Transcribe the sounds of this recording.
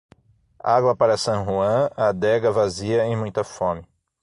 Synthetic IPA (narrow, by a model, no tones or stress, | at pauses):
aɡwɐpaɾɐsɐ̃ɦuɐ̃ɐd̪ɛɡɐvaziɐẽj̃mũj̃t̪ɐfõmɪ